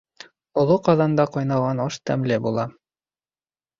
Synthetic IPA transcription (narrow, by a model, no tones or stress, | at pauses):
ŏlˠoqɑðɑnd̪ɑqɑjnɑʁɑnɑʃt̪æmlɘbulˠɑ